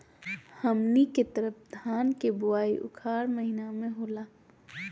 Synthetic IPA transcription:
həmniket̪əɾəfd̪ʱaːnkebʊaːiʔʊ̰kʰaːɾməɦinamẽɦoːlaː

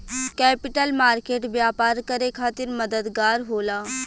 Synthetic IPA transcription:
kɛːpɪʈəlmaːɾkeːʈʋjaːpaːɾkəɾekʰaːt̪ɪɾmɐd̪əd̪ɡaːɾɦoːlaː

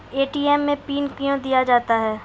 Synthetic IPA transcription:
eːʈiːɛːmːẽpiːnkijõd̪ijad͡ʒaːt̪aɦɛː

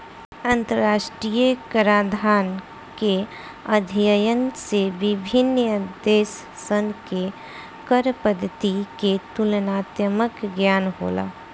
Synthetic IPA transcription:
ɐ̃nt̪əɾɾaːʃʈɾiːjəkəɾaːd̪ʱaːn | ke | əd̪ʱjəjənseʋɪbʱɪnəd̪eːsː | ənke | kəɾpəd̪ʱət̪iket̪ʊlnaːt̪jəməkɡjaːnɦo̰ːla̰ː

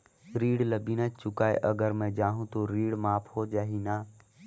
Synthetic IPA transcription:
ɾiːɽləbiːnət͡ʃʊkaːḛʔəɡəɾmẽd͡ʒaːɦũt̪oɾiːɽmaːpʰɦod͡ʒaːɦiːnaː

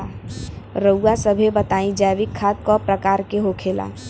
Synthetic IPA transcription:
ɾəuːasəbʱebət̪aĩd͡ʒaʋikʰːat̪̚kɔpɾəkaːɾkeɦokʰela̰

